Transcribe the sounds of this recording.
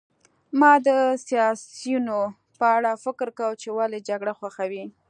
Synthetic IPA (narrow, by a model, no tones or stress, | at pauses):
mɑd̪əsjɑsjuno | pəaɽɑfɪkɾkawt͡ʃewaled͡ʒaɡɽaxwaxawi